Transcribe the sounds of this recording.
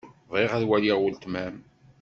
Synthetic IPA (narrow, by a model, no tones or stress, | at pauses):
ðˤiʁæðwæliʁwəlt̪mæm